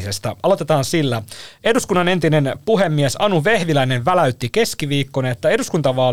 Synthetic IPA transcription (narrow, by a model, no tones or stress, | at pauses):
sest̪æ̰ʔɑlo̞t̪et̪ɑːnsilːæeduskunːɑne̞nt̪inenpuɦemːiesɑnuʋe̞hʋilæineʋʋælæyt̪ːike̞skiʋiːkːoneet̪ːæe̞duskunt̪ɑʋɑː